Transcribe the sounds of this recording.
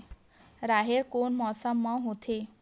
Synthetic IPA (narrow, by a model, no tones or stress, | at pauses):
ɾaɦerkonmʌsʌmːʌɦũt̪ʰe